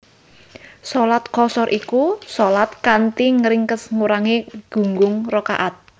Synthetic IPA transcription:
sɔlat̪̚kɔsɔɾʔikusɔlat̪̚kant̪iŋəɾɪŋkəsŋuɾaŋeɡ̥ṳŋɡʊŋrɔka̰ʔat̪̚

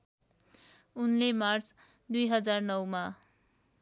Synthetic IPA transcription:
unlemart͡sʰ | d̪ujɦʌd͡zarnʌwma

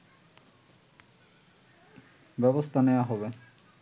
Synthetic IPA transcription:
bɛbost̪ʰaneaɦɔbe

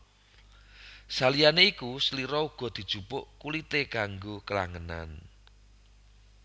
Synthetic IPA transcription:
salijaneikusəliɾɔuɡ̥ɔ̤d̪̥i̤d̥ʒ̥ṳpʊʔkulit̪ekaŋɡokəla̰ŋəna̰n

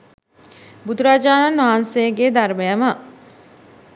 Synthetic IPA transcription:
bud̪uɾaːd͡ʒaːnanʋansejəɡeːd̪aɾmejəma

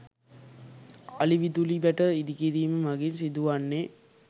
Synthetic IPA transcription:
aliʋid̪ulibæʈəid̪ikiɾiːməmaɡinsid̪uʋanːe

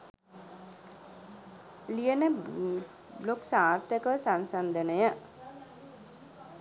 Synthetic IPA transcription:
lijənə | bloksaːrt̪əkəʋəsansand̪ənəjə

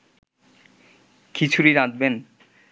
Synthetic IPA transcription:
kit͡ɕʰuɾiɾad̪ben

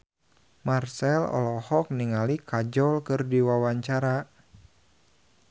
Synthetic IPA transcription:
marsɛlɔ̰lɔhɔk̚niŋalikʰad͡ʒɔlkɨrdiwawaɲt͡ʃaɾa

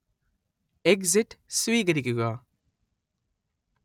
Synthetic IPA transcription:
eɡziʈsʋiːɡəɾikiɡaː

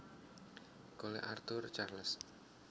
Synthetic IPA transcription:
kolḛʔart̪ʊrt͡ʃarləs

